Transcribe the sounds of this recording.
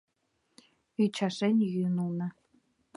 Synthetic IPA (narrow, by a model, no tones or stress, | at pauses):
yt͡ɕʰɑʂenʲjynulˠnɑ̆